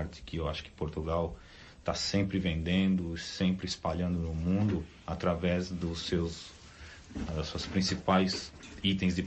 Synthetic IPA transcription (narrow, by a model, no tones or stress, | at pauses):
ɾt͡ʃ̪ɪ̥kɪewaʃʊ̥kɪ̥poɾt̪uɡaw | t̪asẽmpɾɪvẽnd̪ẽnd̪ʊsẽmpɾɪɪspaʎɐ̃nd̪ʊnʊmũd̪ʊ | at̪ɾavɛzd̪ʊsːews | d̪ɐsuɐspɾĩsipajzit̪ẽj̃zd͡ʒɪ